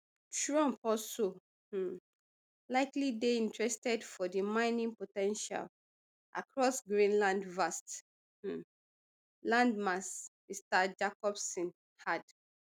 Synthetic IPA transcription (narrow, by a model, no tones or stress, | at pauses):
tʰɹuɔ̃mpɔso | laɪklideĩntɹɛstɛdfɔdimãɪnĩŋpotɛ̃nʃa̰l | ʔa̰kʰɹɔsɡɹĩnlãndvast̩ | lãndmas | istad͡ʒakɔpsĩn | had